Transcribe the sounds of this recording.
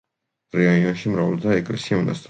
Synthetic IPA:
ɾɛiɔnʃimɾavlt̪ʰaɛkʼlɛsiauna̰st̪ʼ

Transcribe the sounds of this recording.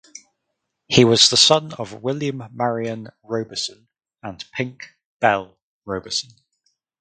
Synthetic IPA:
hiwɒzðəsʌ̃nə̰vwɪljə̃mːaɹiə̃nɹəʊbəsə̃n | ə̃npʰɪ̃ŋk | b̥ɛlˠ | ɹəʊbəsə̃n

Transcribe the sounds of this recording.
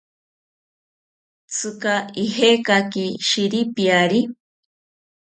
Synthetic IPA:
t͡sʰɨkaiɦekakiʃiɾipiaɾi

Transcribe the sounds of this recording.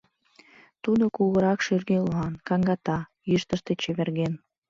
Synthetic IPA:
t̪ud̪okuɣəɾɑkʃyrɡeloɑnkɑŋɡɑt̪ɑjyʃt̪əʃt̪et͡ɕeβerɣen

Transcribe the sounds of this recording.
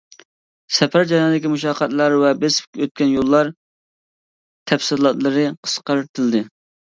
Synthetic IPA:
sɛpæɾd͡ʒɑjɑnɨd̪ɪkʲimuʃɑːqʰɑt̪lˠɑɾwɛbɪspkʲʰɛøt̪̚kʲɛnjolˠːɑɾ | t̪ʰɛfsɨlˠɑt̪lˠɨɾɨqʰə̥sqɑɾɨt̪ʰɨld̪ɨ

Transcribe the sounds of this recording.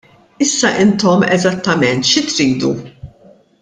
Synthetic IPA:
ɪsːɐʔɪnt̪ɔmɛzɐt̪ːɐmɛnt̪ʃit̪ɾiːd̪ṵ

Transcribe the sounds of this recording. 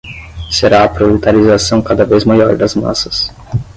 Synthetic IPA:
seɾaɐpɾolit̪aɾizasɐ̃w̃kad̪ɐvezmajɔɾd̪ɐzma̰sɐs

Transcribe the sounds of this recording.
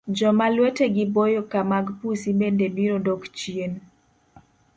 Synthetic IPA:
d͡ʒɔmalweteɡɪbojokamaɡpusibɛndebiɾodɔkt͡ʃjen

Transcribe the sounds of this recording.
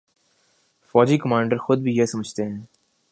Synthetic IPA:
fɔːd͡ʒiːkəmãːɳɖəɾxʊd̪̚bʱijesɐməd͡ʒt̪eɦɛ̃ː

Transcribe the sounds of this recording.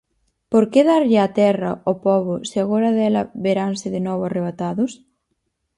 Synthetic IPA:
poɾkeðaɾʎɪat̪ɛrɐ̰opɔβʊseaɣ̞oɾɐðɛlɐβeɾansɪðenɔβʊareβ̞at̪aðʊs

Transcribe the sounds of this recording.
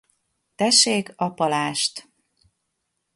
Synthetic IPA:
t̪ɛʃeːkɒpɒlaːʃt̪

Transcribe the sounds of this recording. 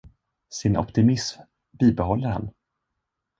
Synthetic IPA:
sɪnʔɔ̰pt̪ɪmɪsm | biːbɛɦɔlːəɾha̰n

